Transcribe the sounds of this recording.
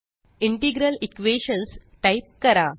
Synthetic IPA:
iɳʈiɡɾəlikʋeɕənsʈajp̚kəɾa

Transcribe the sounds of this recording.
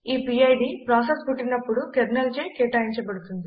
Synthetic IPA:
iːpiːɐjɖipɾaːsespuʈːinɐpːuɽukeɾnɐlt͡ʃeːkeːʈaːiɲt͡ʃɐbɐɽut̪und̪i

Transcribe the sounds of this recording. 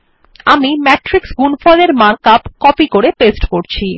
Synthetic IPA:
amimɛʈɾiksɡunfɔleɾmaɾkapkɔpikoɾepesʈkoɾt͡ɕʰi

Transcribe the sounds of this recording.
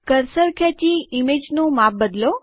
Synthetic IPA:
kəɾsəɾkʰɛt͡ʃiimed͡ʒnõmap̚bəd̪lo

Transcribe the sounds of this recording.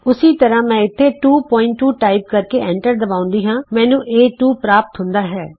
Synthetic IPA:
ʊsiːt̪əɾãːmɛ̃ːɪt̪ʰːeːʈuːpɔːɪ̃ɳʈːuːʈaːɪpkəɾkeːʔɛ̃ːɳʈəɾd̪əbaːʊ̃nd̪iːɦãːmɛ̃ːnũːʔeːʈuːpɾaːpət̪ɦʊnd̪aːɦɛː

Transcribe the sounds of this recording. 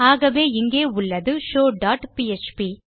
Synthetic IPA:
aːɣɐʋeːɪŋɡeːʊɭːɐðɯʃoːɖaːʈpiet͡ʃpi

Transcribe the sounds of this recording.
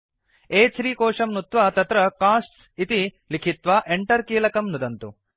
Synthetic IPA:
eːt͡ʃɾiːkɔːʂɐmnut̪ʋat̪ɐt̪ɾɐkaːsʈs | it̪i | likʰit̪ʋaːʔeɳʈɐɾkiːlɐkɐmnud̪ɐnt̪u

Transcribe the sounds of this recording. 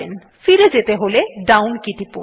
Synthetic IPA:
en | fiɾed͡ʑet̪eɦoleɖawnkiʈ̪ipo̰

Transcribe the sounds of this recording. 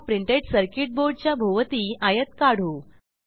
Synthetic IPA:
pɾiɳʈeʈsəɾkiʈ̚boɾɖ̚t͡ɕjabʱoʋət̪iːʔajət̪kaɽ̤u

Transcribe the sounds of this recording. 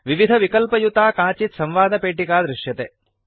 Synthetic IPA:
ʋiʋid̪ʱɐʋikɐlpɐjut̪aːkaːt͡ʃit̪sɐmʋaːd̪ɐpeːʈikaːd̪ɾɪʂjɐt̪e

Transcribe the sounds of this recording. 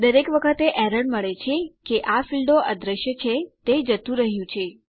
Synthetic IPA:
d̪əɾekʋəkʰət̪eʔɛɾəɳɖməɭet͡ʃʰekeʔafilɖoʔad̪ɾəʃjət͡ʃʰet̪ed͡ʒət̪ũɾəɦjũt͡ʃʰe

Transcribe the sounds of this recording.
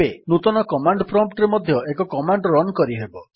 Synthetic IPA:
enut̪ɔnɔkɔmaɳɖpʰɾɔmp̚ʈɾemɔd̪ʱjɔekɔkɔmaɳɖɾɔnkɔɾiɦebɔ

